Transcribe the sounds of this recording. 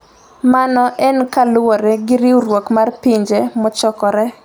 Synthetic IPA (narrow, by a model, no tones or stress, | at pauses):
manɔʔɛnkalʊwɔɾɛɡɪɾiuɾwokmarpiɲd͡ʒemɔt͡ʃɔkɔɾɛ